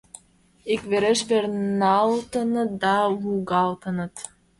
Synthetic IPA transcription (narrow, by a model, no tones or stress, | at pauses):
ikβeɾĕʃβernɑlt̪ɤ̆nɤ̆t̪̚d̪ɑβuɡɑlˠt̪ɤ̆nɤ̆t̪